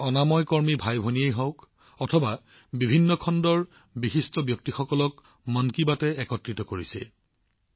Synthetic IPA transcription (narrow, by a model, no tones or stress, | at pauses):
ɔnamɔjkɔɹmibʱajbʱoniejɦɔwk | ɔtʰɔba | bibʱinːɔkʰɔndɔɹ | bixistɔbjɔk̚tixɔkɔlɔk | mɔnkibatɛɛkɔtɹitɔkoɹisɛ̰